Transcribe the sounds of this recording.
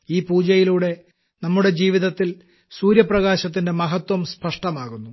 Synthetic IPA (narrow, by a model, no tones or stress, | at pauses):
iːpuːd͡ʑɐjiluːɽe̞ | nɐmːuɽe̞d͡ʑiːʋiðɐt̪ːil | suːɾjɐprɐɣaːɕɐt̪ːinde̞mɐɦɐt̪wɐmspɐʂʈɐmaːɣunːu